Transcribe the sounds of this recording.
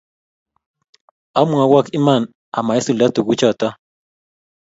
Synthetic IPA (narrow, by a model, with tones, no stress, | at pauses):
a˦mua˨wa˦ki˦ma˦˨n | a̰˨ma˨e˦su˨la˦t̪ʊ˨ɡu˦t͡ʃa˦˨t̪a˦